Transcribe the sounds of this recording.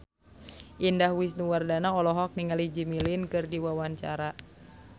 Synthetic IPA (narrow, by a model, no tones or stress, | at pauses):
ʔindahwisnuwardanaɔlɔɦɔk̚niŋalid͡ʒimilinkɨrdiwawaɲt͡ʃa̰ɾa